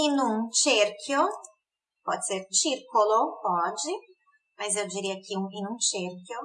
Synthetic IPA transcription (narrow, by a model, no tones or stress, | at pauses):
inũŋt͡ʃeɾkʰjo | pɔt̪seɾt͡ʃiɾkoloɔd͡ʒɪ | majzɛwd͡ʒiɾiakiũŋvinũnt͡ʃeɾkʲjo